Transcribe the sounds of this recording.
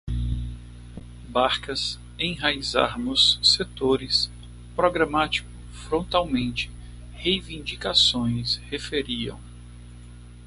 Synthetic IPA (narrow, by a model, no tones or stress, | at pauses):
baɾkɐs | ẽj̃ɦaiza̰ɾnʊsːet̪oɾɪs | pɾoɡɾamat͡ʃi̥kʊ | fɾõnt̪awmẽnt͡ʃɪ̥ | hejvĩnd͡ʒikasõj̃shefeɾiɐ̰̃w̃